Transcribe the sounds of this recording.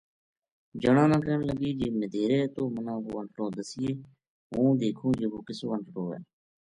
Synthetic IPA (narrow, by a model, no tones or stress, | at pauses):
d͡ʒəɽãːnãːkənləɡiːd͡ʒeːməd̪ʱeːɾeːt̪oːmənãːɦoːəɳʈʈõːd̪əsiːeː | ɦõːd̪eːkʰũːd͡ʒeboːkɪsoːəɳʈʈoːɛ̰ː